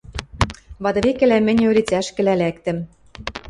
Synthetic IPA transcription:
βɑd̪ɤ̆βekɘ̆læmɘ̆nʲøɾit͡sæʃkɘ̆lælækt̪ɘ̆m

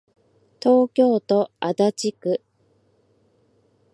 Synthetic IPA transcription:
t̪o̞ːkʲo̞ːt̪o̞ad̪at͡ɕikɯ̟

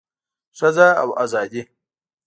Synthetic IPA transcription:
sʷɐzaːʔa̰wʔazaːd͡ʒʲe

